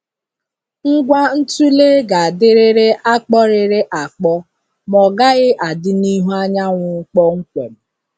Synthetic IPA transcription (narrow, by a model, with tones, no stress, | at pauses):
ŋ̩˦ɡʷa˦n̩˦tu˦le˦ɡa˨a˨dɪ˦ɾɪ˦ɾɪ˦a˦k͡pɔ˦ɾɪ˨ɾɪ˦ʔa˨k͡pɔ˦ | mɔ˨ɡa˦ɣɪ˦ʔa˨dɪ˦ni˦ɦu˦a˦ɲa˦ŋʷʊ˨˦k͡pɔ˦ŋ̩˦kʷe˨m̩˨